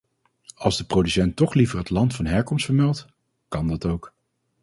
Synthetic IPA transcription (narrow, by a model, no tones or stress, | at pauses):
ɑlˠzdəprowdysɛntɔχlivəɹɦətlɑntfɑnɦɛɹkɔmstfəɹmɛlˠt | kɑndɑtowk